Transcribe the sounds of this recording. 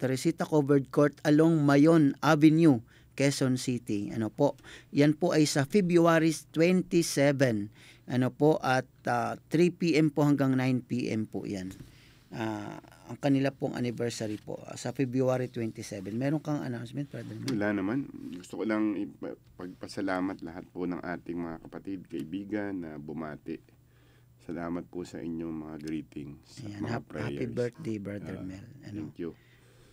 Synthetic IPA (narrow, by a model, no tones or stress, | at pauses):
t̪ɐɾɪsiːt̪ɐkobɛɹd̪̚koɹt̪ɐloŋmɐjonʔavɪnju | kɛsonsit̪iʔɐ̰nopo̞ʔjanpo̞ʔɐjsɐfɛbjuaɾit̪wɛnt̪isɛvɛn | ʔɐnopoʔɐt̪̚aɾipiʔɛmpohɐŋɡaŋnajnpiːʔɛ̰mpo̰ʔja̰n | ʔaʔɐŋkɐnɪlapoŋʔɐ̰nɪvɛɹsaɾipo̰ʔa̰sɐfɛbɾuaːɾit̪wɛnt̪isɛbɛnmɛːɾoŋkɐŋʔɐ̰nawnsmɛnt̪bɹad̪ɛɾmɛɐlanɐmanɡʊst̪okolɐŋɪpɐ | pɐɡ̚pɐsɐlaːmɐt̪̚lɐɦat̪̚ponɐŋʔaːt̪ɪŋmɐŋakɐpɐt̪id̪̚kɐʔɪbiːɡɐnːɐbʊmaːt̪ɪʔ | sɐlaːmɐt̪̚pʊsɐ̰ʔɪɲːoŋmɐŋaɡɾiːt̪ɪŋsjanmhaɾɛhaːjpibɛɹt̪̚d̪ejbɹad̪ɛɾmɛlɐ̰nŋkjʊ